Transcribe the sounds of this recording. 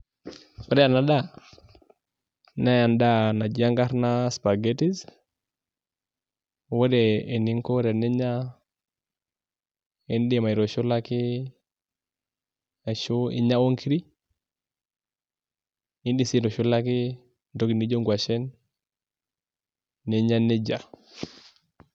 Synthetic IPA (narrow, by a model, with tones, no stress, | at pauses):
kɔ˦ɾɛ˦a˨na˨da˦˨ | na˦ja˨nda˦na˨d͡ʒi˦a˦ŋɡa˦ɾna˦spa˨ɡe˦ti˦z | wɛ˦dɛ˨e˨ni˦ŋko˦ɾɛ˨ni˦ɲa˦ | ndi˦˨ma˨i˨ɾo˨ʃʊ˦la˦kɪ˦ | a˨ʃu˦ḭ˦ɲa˦wo˦ŋkʰi˦ɾi˦ | i˦ndi˨si˦ɾɔ˨ʃu˦la˦ki˦ | do˦ki˨ni˦d͡ʒo˦ŋɡwa˨t͡ʃɛ˦n | e˨ɲa˦nɛ˦d͡ʒa˨